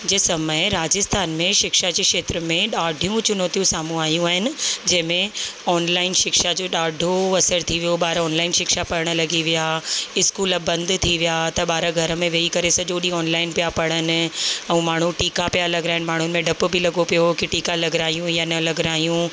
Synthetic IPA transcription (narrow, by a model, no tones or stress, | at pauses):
d͡ʑeːsɐməɪɾaːd͡ʑɪst̪ʰaːnmẽʃɪkʃad͡ʑeːkʃeːt̪ɾəmẽɗaːɖʱijũt͡ɕʊn̤ot̪ijũsaːm̤ũaːjũaːɦɪnɪ̆d͡ʑɐ̃ɦɪ̃mẽɔːnlaːɪnʃɪkʃad͡ʑoːɗaːɖʱoɐsəɾt̪ʰiʋijoɓaːɾɔːnlaːɪnʃɪkʃapɐɾəɽ̃̆lɐɡiʋijaɪskuːləbɐ̃nd̪t̪ʰiʋijat̪ɐɓaːɾaɡʱɐɾəmẽʋeːikɐɾesɐʄoːɗiɔːnlaːɪnpijapɐɽ̃ənɪ̆ɛ̃ːmaːɳ̤̃ũʈiːkapijalɐɡɾaːɦɪnɪ̆maːɳ̤ʊnɪ̆mẽɖɐpbʱɪlɐɡopijokiʈiːkalɐɡɾaːijũjanɐlɐɡɾaːijũ